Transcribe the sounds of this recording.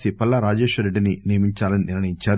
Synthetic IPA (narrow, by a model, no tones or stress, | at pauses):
sipɐlːɐɾaːd͡ʒeːʃʋɐɾeɖːininijɐmiɲt͡ʃaːlɐniniɾɳɐjiɲt͡ʃaːɾ